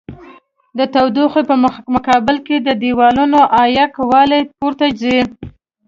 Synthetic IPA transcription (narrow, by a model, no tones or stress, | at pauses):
d̪ət̪awd̪uxepəmʊkɑbɪlked̪əd̪iwɑlunoʔɑjakwɑlepuɾt̪ad͡ʒze